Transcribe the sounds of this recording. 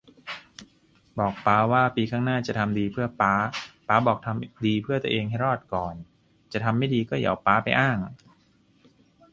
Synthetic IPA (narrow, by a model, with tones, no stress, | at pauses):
bɔː˨˩k̚paː˦˥waː˥˩piː˧kʰaː˥˩ŋnaː˥˩t͡ɕa˨˩t̪ʰa˧mdiː˧pʰɯ˥˩ɐpaː˦˥paː˦˥bɔː˨˩k̚t̪ʰa˧mdiː˧pʰɯ˥˩ət̪u˧ʔeː˧ŋɦa˥˩jɾɔː˥˩t̪̚kɔː˨˩n | t͡ɕa˨˩t̪ʰa˧mːa˥˩jdiː˧kɔː˥˩ja̰˨˩˦wpaː˦˥pa˧jʔaː˥˩ŋ